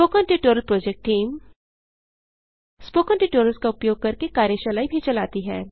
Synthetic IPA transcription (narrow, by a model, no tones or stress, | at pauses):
oːkɔ̃nʈiʈoːɾəlpɾoːd͡ʒek̚ʈːiːm | spoːkɔ̃nɳʈiʈoːɾəlskaʊpjoːɡ̚kɐɾkekaːɾjəʃɐlaːibʱit͡ʃɐlaːt̪iɦɛː